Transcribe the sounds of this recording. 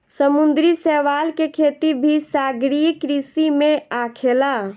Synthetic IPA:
səmund̪ɾisɛʋalkekʰet̪ibʱisaɡɾijkɾisimẽakʰela

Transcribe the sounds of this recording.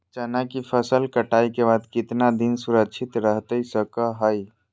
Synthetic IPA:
d͡ʒənakipʰəsəlkəʈajkebad̪kit̪nad̪insuɾəkt͡ʃʰit̪ɾəɦt̪əsəkəɦəj

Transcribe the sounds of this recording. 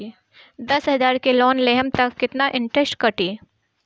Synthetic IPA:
d̪ɐsɦɐzaːɾkelɔːnleɦəmt̪ɐkːɪt̪naʔɪ̃ɳʈɾɛsʈkɐʈiː

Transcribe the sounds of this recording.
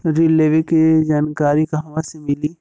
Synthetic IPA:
ɾiːleːʋikid͡ʒaːnkaːɾikaɦʋasemɪli

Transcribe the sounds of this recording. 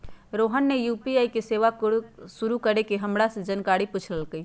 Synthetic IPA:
ɾoɦənːejupiaikeseʋaksuɾukəɾekeɦəmɾasẽd͡ʒənkaɾiput͡ʃʰləlkəi

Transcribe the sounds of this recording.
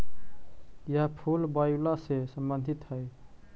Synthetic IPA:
jaɦpʰulbajlasesəmbənd̪ʱit̪ɦəj

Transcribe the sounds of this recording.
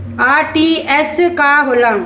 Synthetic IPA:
aːʈiɛskaːɦʊla

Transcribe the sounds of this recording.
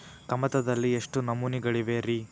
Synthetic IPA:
kɐmɐt̪ɐd̪ɐlːieʂʈunɐmuːniɡɐɭiʋe̞ɾi

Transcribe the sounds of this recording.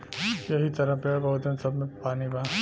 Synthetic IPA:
jɐɦit̪ɐɾapebɐɦut̪ẽmsɐbmẽpaːnibʱãː

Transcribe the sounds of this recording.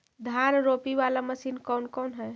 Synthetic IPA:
d̪ʱanɾopiʋalaməsinkɔwnkɔnɦɛj

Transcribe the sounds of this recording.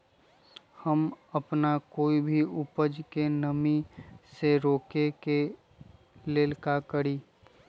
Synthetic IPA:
hɐmɐpnakoːibʱiʊpəd͡ʒkenəmiseɾoːkeke | leːlkakəɽiː

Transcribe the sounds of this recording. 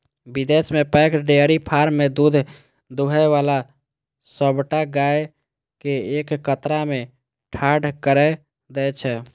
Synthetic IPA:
bid̪esmepɛkɖeəɾipʰaɾmːed̪ud̪ʱ | d̪uɦɛʋala | səbʈaɡae | keekːət̪ɾame | ʈʰaɖʱkəɾɛ | d̪ɛt͡ʃʰɛ

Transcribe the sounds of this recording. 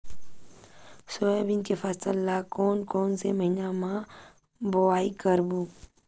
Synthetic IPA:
soebinkefast̪əlːaːkoːnkoːnseməɦinamãː | boaːikəɾbuː

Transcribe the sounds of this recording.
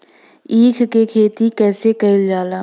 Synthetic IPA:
iːkʰkekʰeːt̪ikɛːsekɐɪld͡ʒaːlaː

